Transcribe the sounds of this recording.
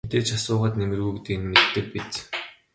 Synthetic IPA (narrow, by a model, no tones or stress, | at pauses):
t̪eːt͡ɕasʊːʁaːt̪nemɘ̆rɣujkt̪enmet̪ːɘ̆k̚pit͡ɕ